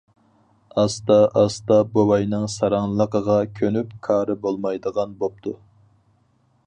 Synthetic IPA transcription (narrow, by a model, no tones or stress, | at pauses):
ɑst̪ɑʔɑst̪ɑbowɑjnɨŋsɑɾɑŋlˠəqəʁɑkʲʰønypkʰɑːɾɨbolˠmɑjd̪əʁɑnbop̚t̪ʰu